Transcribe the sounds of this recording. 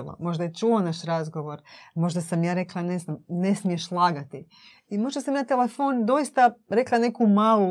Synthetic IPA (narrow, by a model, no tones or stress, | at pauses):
lo̰mo̞ʒd̪ajet͡ʃuonaʃɾazɡo̞ʋo̞ɾmo̞ʒd̪asamjaːɾe̞klˠane̞znamne̞smijeʃlˠaːɡat̪i | imo̞ʒd̪asamjaːt̪e̞lefoːnd̪o̞jist̪aɾe̞klˠane̞kumaːlu